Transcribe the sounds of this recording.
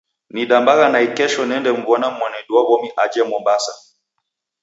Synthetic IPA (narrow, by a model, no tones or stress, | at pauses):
niɗambaɣanaikɛʃɔnɛndɛm̩vɔnam̩wanɛɗuawɔmiʔad͡ʒɛmɔmbasa